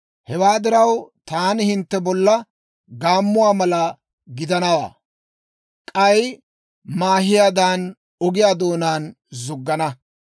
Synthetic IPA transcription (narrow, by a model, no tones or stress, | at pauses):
hɛwaːd̪ɪɾɐwt̪aːnɪhɪnt̪ːɛbɔlːɐ | ɡaːmːʊwaːmɐlɐ | ɡɪd̪ɐnɐwa̰ː | kʼɐj | maːɦɪjaːd̪aːn | ɔɡɪjaːd̪oːnaːn | zʊɡːɐnɐ